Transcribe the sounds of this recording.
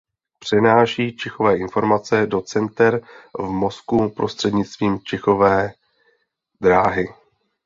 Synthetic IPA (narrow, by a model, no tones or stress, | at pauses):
pr̝̥ɛnaːʃiːt͡ʃɪxo̞vɛːʔɪnfo̞ɾmat͡sɛdo̞t͡sɛnt̪ɛɾvmo̞skupɾo̞st̪r̥ɛdɲɪt͡st̪viːmt͡ʃɛxo̞vɛː | d̪ɾaːɦɪ